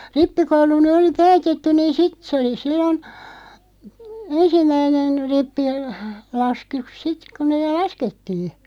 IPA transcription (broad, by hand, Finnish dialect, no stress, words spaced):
ripːikoulu ny oli pæːtetːyn̆ niːn sit sĕ oli silːon ensimˑæinen ripːi lɑsk yk sit ku neːl̆ lɑsketːiː